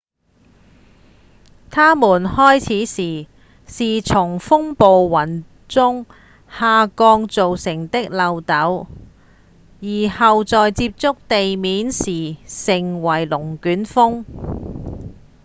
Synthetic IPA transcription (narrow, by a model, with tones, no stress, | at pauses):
t̪ʰaː˥muː˨˩nhɔː˥jt͡sʰiː˨˥siː˨˩ | siː˨t͡sʰʊ˨˩ŋfʊ˥ŋpo˨wːɐ˨˩n | t͡sʊ˥ŋ | haː˨˧kɔː˧ŋt͡so˨wsɪ˨˩ŋt̪ɪ˥k̚lɐ˨˧wt̪ɐ˨˥w | jiː˨˩hɐ˨wt͡sɔː˨jt͡siː˧˥p̚t͡sʊ˥k̚t̪e˨jmiː˨˥nsiː˨˩sɪ˨˩ŋwɐ˨˩jlʊ˨˩ŋkyː˨˥nfʊ˥ŋ